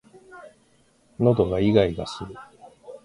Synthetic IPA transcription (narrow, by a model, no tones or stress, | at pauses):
no̞d̪o̞ɡaiɡaiɡasɨɾɯ̟